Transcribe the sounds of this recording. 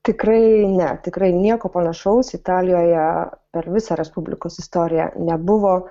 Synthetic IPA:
t̪ʲɪkrɐɪnʲɛt̪ʲɪkrɐɪnʲiɛkoːpɐnɐʃɐʊsɪt̪ɑːlʲɪjoːjɛpʲɛrʋʲɪsɑːɾʲɛspʊbʲlʲɪ̰koːsɪst̪oːɾʲɪjɛ̰nʲɛbʊʋoː

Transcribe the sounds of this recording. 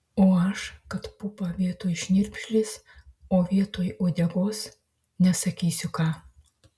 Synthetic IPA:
oːɐʃkɐt̪pʊpɑʋʲiɛt̪oːjʃʲnʲɪɾʲpʲʃʲlʲɪsoːʋʲiɛt̪oːjoːd̪ʲɛɡoːs | nʲɛsɐkʲiːsʲʊkɑː

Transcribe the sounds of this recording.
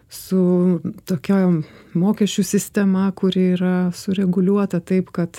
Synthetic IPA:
sʊt̪oːkʲæːmoːkʲɛʃʲt͡ʃʲusʲɪsʲt̪ʲɛmɑːkʊɾʲɪiːɾɐsʊɾʲɛɡʊlʲuɔt̪ɐt̪ɐɪpkɐt̪

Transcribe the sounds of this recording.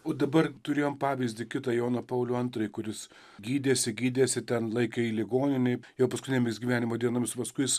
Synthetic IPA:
oːd̪ɐbɐrt̪ʊɾʲeːjoːmpɑːʋʲɪzʲd̪ʲɪkʲɪt̪ɑːjɛʊnɐpɐʊlʲʊɐnt̪rɐɪkʊɾʲɪs | ɡʲiːd̪ʲeːsʲɪɡʲiːd̪ʲeːsʲɪt̪ʲɛnlˠɐɪkɐiːlʲɪɡoːnʲɪnʲɛɪjɛʊpɐskʊtʲɪnʲeːmʲɪsɡʲiːʋʲæːnʲɪmoːd̪ʲiɛnoːmʲɪspɐskʊɪs

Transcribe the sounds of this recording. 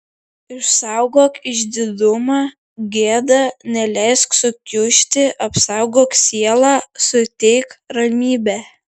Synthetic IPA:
ɪʃsɑʊɡoːkɪʒʲd̪ʲɪd̪ʊmɑː | ɡʲeːd̪ɑnʲɛlʲɛɪsksʊkʲʊʃʲt̪ʲɪʔɐpsɑʊɡoːksʲiɛlˠɑːsʊt̪ʲɛɪkɾɐmʲiːbʲæː

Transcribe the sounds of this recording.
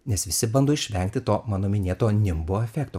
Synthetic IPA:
nʲɛsʋʲɪsʲɪbɐnd̪oːɪʃʲʋʲɛŋʲkt̪ʲɪt̪oːmɑːnoːmʲɪnʲeːt̪oːnʲɪmboːɛfʲɛːkt̪oː

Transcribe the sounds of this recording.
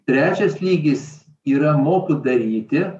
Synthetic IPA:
t̪ʲɾʲæːt͡ʃʲɛslʲiːɡʲɪs | iːɾɐmoːkʲʊd̪ɐɾʲiːt̪ʲɪ

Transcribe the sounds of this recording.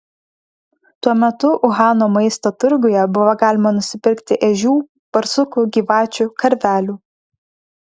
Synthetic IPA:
t̪uɔmʲɛt̪ʊʔʊɣɑːnoːmɐɪst̪oːt̪ʊɾɡʊjɛbʊʋɐɡɑːlʲɪmɐnʊsʲɪpʲɪɾʲkt̪ʲɪʔɛʒʲuː | pɐɾsʊkuɡʲiːʋɑːt͡ʃʲukɐɾʲʋʲæːlʲuː

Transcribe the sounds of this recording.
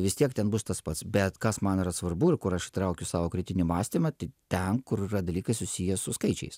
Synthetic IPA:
ʋʲɪst̪ʲiɛkt̪ʲɛnbʊst̪ɐspɐt̪sbʲɛt̪kɐsmɐniɾɐsʋɐrbʊɪɾkʊɾɐʃɪt̪ɾɐʊkʲʊsɑːʋoːkɾʲɪt̪ʲɪnʲimɑːsʲt̪ʲɪmɐt̪ɐɪt̪ʲɛnkʊɾɪrɐd̪ɐlʲiːkɐɪsʊsʲijɛsʊskɐɪt͡ʃʲɛ̰ɪs

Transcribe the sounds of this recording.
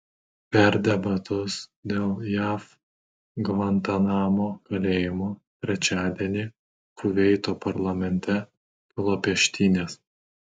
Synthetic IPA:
pʲɛɾd̪ʲɛbɐt̪ʊsd̪ʲeːlˠjæːf | ɡʋɐnt̪ɐnɑːmoːkɐlʲeːjɪmoːt̪ʲɾʲɛt͡ʃʲæːd̪ʲeɛnʲi | kʰʊʋʲɛɪt̪oːpɐɾlˠɐmʲɛnʲt̪ʲɛ | pɔlˠɔpʲɛʃʲt̪ʲiːnʲeːs

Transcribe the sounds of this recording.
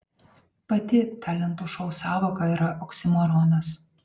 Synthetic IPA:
pɐt̪ʲɪt̪ɑːlʲɛnt̪uʃɔʊsɑːʋoːkɐiːɾɐʔɔksʲɪmɔɾɔːnɐs

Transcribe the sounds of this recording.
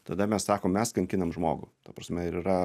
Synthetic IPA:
t̪ɐd̪ɐmʲɛssɑːkoːmmʲɛskɐŋʲkʲɪnɐmʒmo̰ːɡʊt̪ɐpɾɐsʲmʲɛɪɾiɾɐ

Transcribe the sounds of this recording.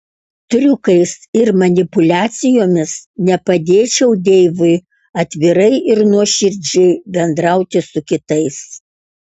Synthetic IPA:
t̪ɾʲʊkɐɪsɪɾmɐnʲɪpʊlʲæːt̪sʲɪjoːmʲɪsnʲɛpɐd̪ʲeːt͡ʃʲɛʊd̪ʲeːʋʊɪ | ɐt̪ʲʋʲɪɾɐɪʔɪɾnuɔʃʲɪɾʲd͡ʒʲʊɪbʲɛnd̪ɾɐʊt̪ʲɪsʊkʲɪt̪ɐɪs

